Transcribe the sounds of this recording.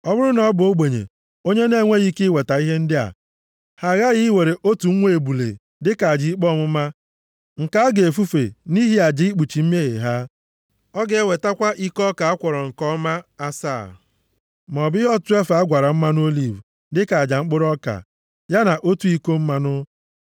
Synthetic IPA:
ɔ˦bʊ˦ɾʊ˦nɔ˨ɔ˦bʊ˨o˦ɡ͡be˨ɲḛ˨ | o˦ɲe˦ne˦˨ŋʷe˦ɣi˦kɪ˦we˨ta˨i˦ɦe˦n̩˦dɪ˦a̰˨ | ha˨ɣa˦ɣi˦we˨ɾe˨ʔo˦tu˨˦ŋʷe˦e˨bu˨lḛ˨ | dɪ˦ka˨a˨d͡ʒi˨i˦k͡pɔ˦˨mʊ˦ma˦ | ŋ̩˨ka˦a˦ɡe˨e˨fu˦fe˨ni˦ɦi˦a˨d͡ʒi˨˦i˦k͡pu˨t͡ʃi˨m̩˦me˦ɦḛ˨ɦa˦ | ɔ˦ɡe˨e˦˨we˨ta˦kʷa˦ʔi˦kɔ˦ka˨a˦kʷɔ˨ɾɔ˨ŋ̩˨kɔ˦ma˦a˦sa̰ː˦˨ | m˨ɔ˨bɦɔ˦tu˦e˦fa˨a˦ɡʷa˨ɾa˨m̩˦ma˦n˦o˦li˨v | dɪ˦ka˨a˨d͡ʒa˨ŋ͡m̩˦k͡pʊ˦ɾɔ˦ka̰˨ | ja˦na˨ʔo˦tu˦i˦ko˦m̩˦ma˦nʊ˦

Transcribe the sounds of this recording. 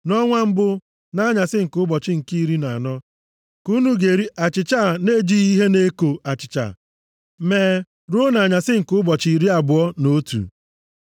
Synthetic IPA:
nɔ˦ŋʷa˦m̩˦bʊ˦ | na˦ɲa˨sɪ˦ŋ̩˨kʊ˦bɔ˨t͡ʃɪ˦ŋ̩˨ki˦i˦ɾi˦na˨nɔ˦ | ku˦nu˦ɡe˨ɾi˦ʔa˨t͡ʃɪ˨t͡ʃa˦˨ne˦d͡ʒi˦i˦ɦe˦ne˦ko˨a˨t͡ʃɪ̥˨t͡ʃa̰˨ | meː˨˦ | ɾu˦na˨ɲa˨sɪ˦ŋ̩˨kʊ˦bɔ˨t͡ʃi˨ɾi˦a˨bʊ˨ɔ˦no˦tṵ˨

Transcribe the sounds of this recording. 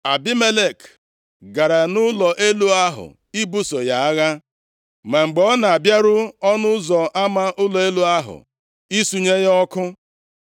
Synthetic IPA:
a˨bi˦me˦le˦˨k | ɡa˨ɾa˨nʊ˦lɔ˨ʔe˦lu˦a˦ɦʊ̰˨ | i˦bu˦so˨ja˨a˦ɣa˦ | ma˨ŋ͡m̩˨ɡ͡bɔ˦na˨a˨bja˦ɾʊ˦ɔ˦nʊ˦zɔ˨ʔa˦ma˦ʔʊ˦lɔ˨e˦lu˦a˦ɦʊ̰˨ | i˦su˨ɲe˦ɣɔ˦kʊ˦

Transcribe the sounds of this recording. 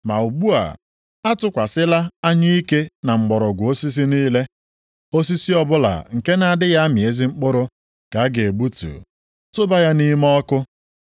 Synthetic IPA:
ma˨u˨ɡ͡bu˦a̰˨ | a˦tʊ˦kʷa˨sɪ˦la˦a˦ɲɪ˦i˦ke˦na˨ŋ͡m̩˨ɡ͡bɔ˨ɾɔ˨ɡʷʊ˨o˦si˦s̬i˦niː˦le˦ | o˦s̬i˦si˦ɔ˨bʊ˦la̰˨ŋ̩˨ke˦na˨a˨dɪ˦ɣa˦a˦mɪ˨e˦zi˦ŋ͡m̩˦k͡pʊ˦ɾʊ˦ | ka˨a˦ɡe˨e˨ɡ͡bu˦tṵ˨ | tʊ˦ba˦ja˦ni˦m˦ɔ˦kʊ˦

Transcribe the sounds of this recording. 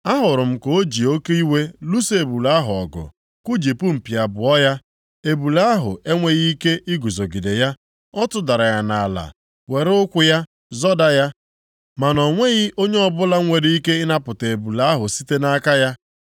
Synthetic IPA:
a˦ɦʊ˨ɾʊ˨m̩˦ko˦d͡ʒi˨o˦ke˦i˦we˦lu˦se˨bu˨la˦ɦʊ˨ɔ̰˨ɡʊ̰˨ | ku˦d͡ʒi˨pu˦m̩˨pi˨a˨bʊ˨ɔ˦ja˦ | e˨bu˨la˦a˦ɦʊ̰˨e˦ŋʷe˦ɣi˦i˦ke˦ʔi˦ɡu˨zo˨ɡi˨de˨ja˦ | ɔ˦tʊ˦da˨ɾa˨ɣa˨na˨la̰˨ | we˨ɾʊ˦kʷʊ˦ja˦ | zɔ˦da˦ja˦ | ma˨nɔ˨ŋʷe˦ɣɪ˦ʔo˦ɲe˦ɔ˦bʊ˦la˦ŋʷe˨ɾi˦i˦ke˦ɪ˦na˦pʊ˨te˨bu˨la˦a˦ɦʊ˨si˦te˦na˦ka˦ja˦

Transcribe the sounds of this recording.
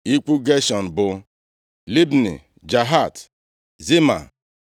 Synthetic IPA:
i˦k͡pu˦ɡe˦ʃɔ˨n̩˨bʊ˨ | li˦bnḭ˨ | d͡ʒa˨ɦa˦˨t | zi˦ma̰˨

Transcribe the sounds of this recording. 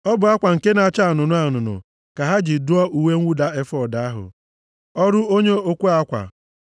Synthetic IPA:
ɔ˦bʊ˨a˦kʷa˨ŋ̩˨ke˦na˨t͡ʃa˦˨nʊ˨nʊ˦a˨nʊ˨nʊ̰˨ | ka˨ɦa˦d͡ʒi˨dʊ˦ɔ˦ʔu˨we˦ŋ̩ʷ˦u˦da˦e˦fɔ˦˨da˨˦a˦ɦʊ̰˨ | ɔ˦ɾʊ˦o˦ɲe˦o˦kʷu˦a˦kʷa̰˨

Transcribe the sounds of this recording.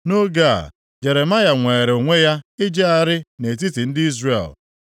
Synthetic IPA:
no˦ɡa̰˦˨ | d͡ʒe˨ɾe˨ma˦ja˨ŋʷeː˨ɾe˨o˨ŋʷe˦ja˦ɪ˦d͡ʒe˦a˦˨ɾɪ˦ne˨t̬i˦ti˨n̩˦dɪ˦i˦zɾḛ˨l

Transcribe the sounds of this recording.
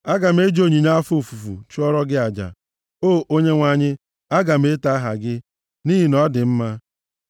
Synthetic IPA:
a˦ɡa˨m̩˦e˦d͡ʒo˦ɲi˨ɲa˦a˦fu˦˨fu˨fṵ˨t͡ʃu˦ɔ˦ɾɔ˦ɡɪ˦a˨d͡ʒa̰˨ | oː˦˨ʔo˦ɲe˦ŋʷa˨ɲɪ˦ | a˦ɡa˨m̩˦e˦ta˦ɦa̰˨ɡɪ˦ | ni˦ɦi˦nɔ˦dɪ˨m̩˦ma˦

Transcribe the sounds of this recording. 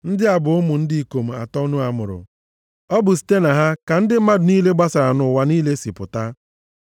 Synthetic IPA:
n̩˦dɪ˦a˨bʊ˨ʊ˦mʊ˨n̩˦di˦i˨ko˨m̩˨a̰˨tɔ˦u˦nu˦a˨mʊ̰˨ɾʊ̰˨ | ɔ˦bʊ˨si̥˨˦te˦na˨ɦa˦ka˨n̩˦dɪ˦ma˦dʊ˨niː˦le˦ɡ͡ba˦sa˨ɾa˨nʊ˨˦wa˦niː˦le˦si˨pʊ˨ta˦

